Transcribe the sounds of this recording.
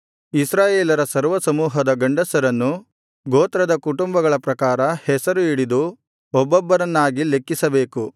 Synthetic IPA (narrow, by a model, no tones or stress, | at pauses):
isɾaːjeːlɐɾɐsɐɾʋɐsɐmuːɦɐd̪ɐɡɐɳɖɐsɐɾɐnːu | ɡoːt̪ɾɐd̪ɐkuʈumbɐɡɐɭɐpɾɐkaːɾɐhɛsɐɾuiɽid̪u | ɔbːɔbːɐɾɐnːaːɡile̞kːisɐbe̞ːku